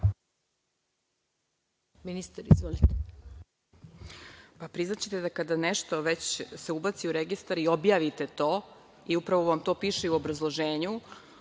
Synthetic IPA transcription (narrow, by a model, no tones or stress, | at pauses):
minist̪aɾizʋolit̪e | papɾiznat͡ɕet̪ed̪akad̪aneʃt̪o̞ʋe̞t͡ɕse̞ubat̪siuɾeɡist̪aɾiobjaːʋit̪e̞t̪oː | iupɾaʋo̞ʋamt̪o̞ːpiːʃeuobɾazlˠoʒeːɲu